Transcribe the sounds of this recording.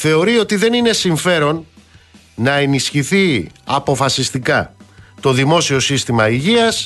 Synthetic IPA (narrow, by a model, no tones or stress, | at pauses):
θe̞o̞ɾio̞t̪iðe̞nine̞siɱfe̞ɾo̞nː | ɐe̞nisçiθiɐpo̞fɐsist̪ikɐt̪o̞ðimo̞sio̞sist̪imɐiʝiɐs